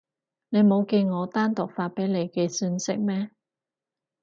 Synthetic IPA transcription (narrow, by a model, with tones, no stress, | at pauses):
ne˨˧jmo˨˧wke˧jŋɔː˨˧t̪aː˥nt̪ʊ˨k̚faː˧t̚pe˨˥jle˨˧jkɛː˧syː˧nsɪ˥k̚mɛː˥